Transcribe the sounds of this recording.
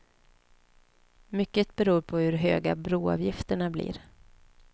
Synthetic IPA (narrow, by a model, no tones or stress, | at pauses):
mʏkːət̪̚bɛɾuːɾpʰɔhɵɾɦøːɡabɾuːɑ̰ːvjɪft̪əɳablḭːɾ